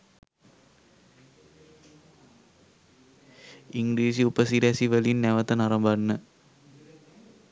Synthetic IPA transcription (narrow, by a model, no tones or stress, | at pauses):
iŋɡɾiːs̬iupəsiɾæsiʋəlinːæʋət̪ənaɾəmbanːə